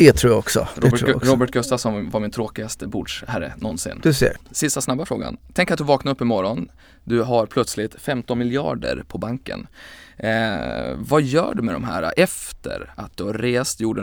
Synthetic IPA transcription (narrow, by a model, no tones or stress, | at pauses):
ɛt̪ʰɾuːɾaɔksɔ̰ɾobɾoːbəʈ̚ɡɵst̪asɔmvaɾmɪnt̪ʰɾoːkɪast̪əbuːɖʂhæɾːə̰nɔnsɪ̰nd̪ɵsḛsɪst̪asnabːafɾoːɡa̰nt̪ʰɛŋkːat̪d̪ɵvɑːknaɾɵpːɪmɔɾɔn | d̪ɵɦaɾpʰlœt̪slɪt̪fɛmt̪ɔnmɪljɪɑ̰ːɖə̰ɾpʰɔbaŋkə̰n | vajœ̰ːɖɵmɛd̪ɔ̰mɦæ̰ːɾa̰ʔɛft̪ʰə̰ɾat̪̚d̪ɵhaɾɾeːst̪juːɖə